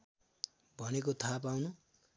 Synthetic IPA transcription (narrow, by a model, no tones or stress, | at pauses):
bʱʌnekot̪ʰap̬awnu